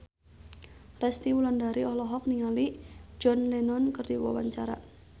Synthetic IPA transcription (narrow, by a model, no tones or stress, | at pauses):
rɛst̪iwulandaɾiɔhlɔɦɔk̚niŋalid͡ʒɔnlɛnɔnkərdiwa̰wa̰ɲt͡ʃaɾa̰